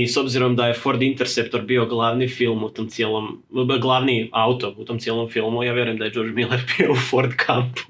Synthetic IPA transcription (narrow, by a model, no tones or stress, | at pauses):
isobziɾomd̪ajefoɾd̪int̪eɾsept̪oɾbioɡlˠaːʋnifilˠmut̪oːmt̪sijelˠomɡlˠaʋniawt̪o̞ɾut̪omtsijelˠomfilˠmujaːʋjeɾujemd̪ajed͡ʒoɾd͡ʒmilˠeɾbioufoɾd̪kʰampu̥